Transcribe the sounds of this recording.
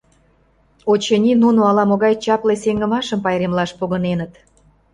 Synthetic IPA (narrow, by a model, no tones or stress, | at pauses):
ot͡ɕenʲinunoɑlɑmoɣɑjt͡ɕɑpleseŋɡə̆mɑʃəmpɑjɾemlɑʃpoɣənenət̪